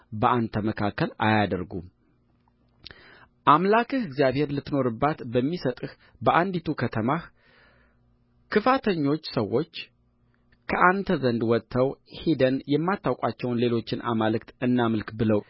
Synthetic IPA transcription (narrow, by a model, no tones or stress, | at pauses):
bəʔant̪ʰəməkʰakːəla̰jad̪əɾɡṵm | ʔamlakʰɨhɨɡzijaβhe̞ɾlɨt̪ːno̞ɾɨbːat̪bəmːisət̪ʼɨh | bəʔand̪it̪ʰukʰət̪ʰəmah | kʰɨfat̪ʰəɲːo̞t͡ʃːsəwːo̞t͡ʃː | kʰəʔant̪ʰəzənd̪wɔt̪ʰːəwhed̪ənjɛmːat̪ʰːawkʼat͡ʃːɛwnle̞lo̞t͡ʃːɪnʔa̰malɨkt̪ɨnːamɨlkbɨləw